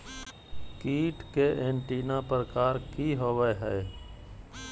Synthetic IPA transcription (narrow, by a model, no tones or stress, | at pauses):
kiːʈkeʔeːɳʈiːnapɾəkaːɾkiɦoːʋəɦɛː